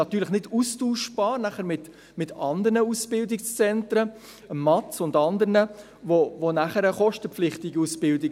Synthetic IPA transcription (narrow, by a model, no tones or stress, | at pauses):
nɑt̪ːyːɾləχnɪdustuːʃb̥ɑːɾnæχəɾmɪt | mɪtɑnd̪əɾnəusb̥ɪldɪkst͡sɛntɾə | əmːɑtsʊndɑnd̪əɾnə | vovonæχəɾəχɔʃtəpflɪχtɪɡiusb̥ɪldɪɡ